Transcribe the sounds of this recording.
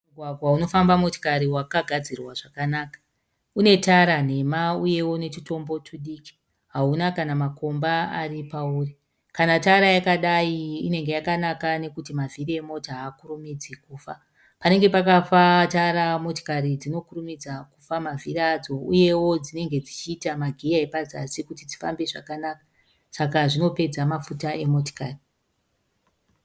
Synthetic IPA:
uɡʱwaɡʱwauno̞fambamo̞ti̥kaɾiwakaɡʱad͡zirwaʐakanaːkḁ | une̞taɾan̤e̞mauje̞wo̞ne̞t͡ʃito̞mbo̞t͡ʃuɗiːki̥ | ɦaunakanamako̞mbaa̰ripauːri | kanataɾajakaɗaiine̞ŋɡe̞jakanakane̞kutimaviriemo̞taːkuɾumid͡zikuːfa | pane̞ŋɡe̞pakafataɾamo̞ti̥karid͡zino̞kurumid͡zakufamavʱirad͡zo̞uje̞wo̞d͡zine̞ŋɡe̞d͡zit͡ʃiːtamaɡʱijaepad͡zasikutid͡zi̥fa̰mbe̞ʐa̰kanaːkḁ | sakaʐino̞pe̞d͡zamafutaʔe̞mo̞to̥kaːri

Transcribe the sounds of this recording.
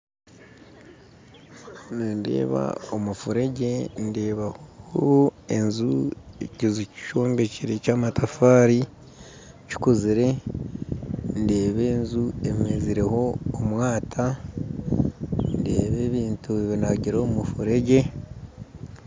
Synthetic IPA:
niːnde̞̰ːβa̰omufuɾe̞ɟe̞nde̞ːβaho | e̞nzuecizuci̥ʃo̞ːmbe̞ciɾe̞caːmatafaːɾi | ci̥kuziɾe̞ | nde̞ːβe̞ːnzuemeziɾe̞ho̞ːmwaːtʰa | nde̞ːβe̞ːβiːntuβinaɟiɾoːmufuɾe̞ɟe̞

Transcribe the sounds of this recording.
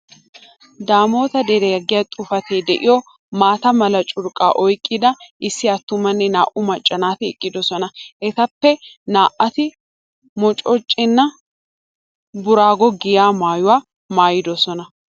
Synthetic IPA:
d̪aːmo̞ːt̪ɐd̪ɛɾeɐɡɪjɐt̪ʼʊfɐt̪eːd̪ɛʔɪjɔ | maːt̪ɐmɐlɐt͡ʃʼʊɾkʼaːʔɔjkʼːɪd̪ɐʔɪsːɪɐt̪ːʊmɐnːɛnaːʔʊmɐt͡ʃʼːɐnaːt̪ɪɛkʼːɪd̪ɔsɔnɐʔɛt̪ɐpːɛnaːʔɐt̪ɪ | mɔt͡ʃʼɔt͡ʃʼːɪnːɐ | bʊɾaːɡɔɡɪjaːmaːjʊwaː | maːjɪd̪ɔsɔnɐ

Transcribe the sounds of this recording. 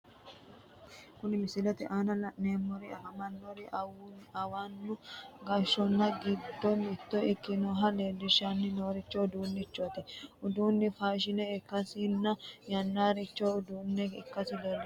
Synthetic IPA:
kʊnɪmɪsɪlɛt̪ɪʔaːnɐlɐneːmːɔɾɪɐ̰kɐmɐnːɔɾɪʔɐwɐnːʊɡɐʃːɔnːɐɡɪd̪ːɔmɪt̪ːɔɪkːɪnoːɦɐleːd̪ɪʃanːɪnoːɾɪt͡ʃːɔʊd̪uːnːɪt͡ʃːɔt̪ɛʊd̪uːnːɪfaːʃ̬ɪnɛɪkːɐsɪnːɐjɐnːaːɾɪt͡ʃːoʊd̪uːnːɛɪkːɐsɪd̪ɔl

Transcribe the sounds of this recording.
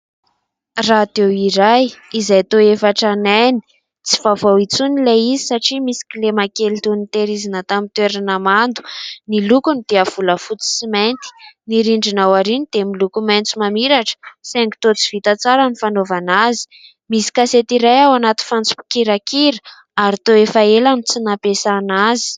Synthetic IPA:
rad̪̥ewiɾajizajt̪oefaʈ͡ʂanajni̥ | t͡si̥v̥avowit͡sunileizisaʈ͡ʂimisi̥kʲilemakelit̪unit̪eɾizinət̪amint̪weɾanəmand̪u̥nilukunid̪̥eav̥uləfut͡si̥siment̪i̥niɾiɳɖ͡ʐinawaɾinid̪emilukument͡sumamiɾaʈ͡ʂə̥seŋɡi̥t̪ot͡si̥v̥it̪at͡saɾanifanovanazi̥ | misi̥kaset̪iɾajawanat̪i̥fant͡su̥pi̥kiɾakiɾə | aɾit̪oefaelanit͡sinapesanazi̥

